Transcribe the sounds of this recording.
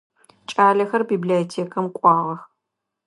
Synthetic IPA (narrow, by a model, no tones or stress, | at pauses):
t͡ʃʼaːɮɐxɐrbiːbliotʰeːkʰɐmqʷʼɑːʁɐx